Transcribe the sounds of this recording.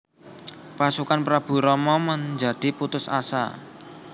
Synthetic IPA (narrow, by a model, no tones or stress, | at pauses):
pasukanpɾab̥ṳɾɔmɔməɲd͡ʒa̤d̪̥i̤put̪ʊsa̰sa̰